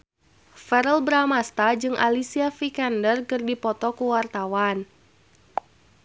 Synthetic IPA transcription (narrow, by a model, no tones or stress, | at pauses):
fɛɾəlbɾamast̪ad͡ʒɨŋʔa̰lisiafikandərkɨrdipɔt̪ɔkuwart̪awan